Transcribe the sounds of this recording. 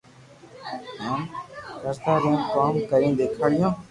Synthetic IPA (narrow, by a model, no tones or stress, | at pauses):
ɦãːkəɾt̪aːɾẽːkaːmkəɾĩːd̪eːkʰaːɽɪjõː